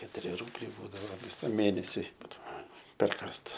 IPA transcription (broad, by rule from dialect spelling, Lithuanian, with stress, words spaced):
kʲɛtʊˈrʲɪ ˈruːbʲlʲɛɪ ˈbuːdɐʋoː ʋʲɪˈsɐm ˈmʲeːnʲɛsʲʊɪ ˈbuːdɐʋoː pʲɛrˈkɑːst